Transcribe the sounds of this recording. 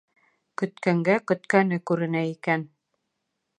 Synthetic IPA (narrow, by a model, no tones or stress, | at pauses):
kɵ̆t̪kæŋɡækɵ̆t̪kænɘkʉɾɘ̆næikæn